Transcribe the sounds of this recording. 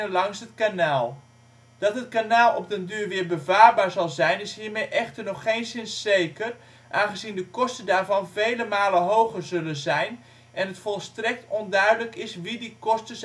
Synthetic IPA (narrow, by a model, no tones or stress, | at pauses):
əlɑŋsɦətkanaːlˠ | d̥ɑtɦət̚kanaːlˠɔp̚dəndyːɹʋɪːɹbəvaːrbaːɹzɑlˠzɛjnɪshiːɹmejʔɛxtərnɔχːejnsɪnsːejkər | ʔaːnχəzindəkɔstədaːɹvɑnvejləmaːləɦowɣərzɵlənzɛjn | ʔɛnɦətfɔlˠstrɛk̚tɔndœɥdələkɪsʋidikɔstəs